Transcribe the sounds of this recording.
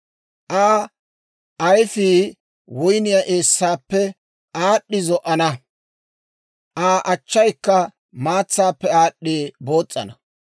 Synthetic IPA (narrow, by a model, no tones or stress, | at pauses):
ʔaː | ʔɐjfiː | wʊjnɪjaʔeːsːaːpːɛ | ʔaːɗːɪzɔʔɐnɐ | ʔaːʔɐt͡ʃːɐjkːɐ | maːt͡sːaːpːɛaːɗːiːbo̞ːt͡sʼːɐ̰nɐ